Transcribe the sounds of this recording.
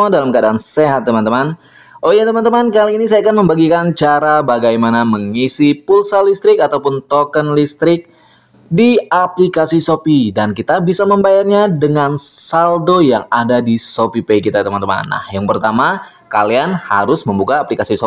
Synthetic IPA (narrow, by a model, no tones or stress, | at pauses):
adalamkəadaanseɦat̪̚ːəmant̪əman | ʔojat̪əmant̪əmankaliːnis̬ajakanməmbaɡikant͡ʃaɾabaɡajmanaməŋisipulsalist̪ɾɪkat̪awpʊnt̪okənlist̪ɾɪk̚ | diaplikasisopidankit̪abisaməmbajarɲadəŋansaldojaŋadadisopipeikit̪at̪əmant̪əma̰nːa̰hjaŋpərt̪ama | ka̰lianha̰ɾʊsməmbukaːplikasiso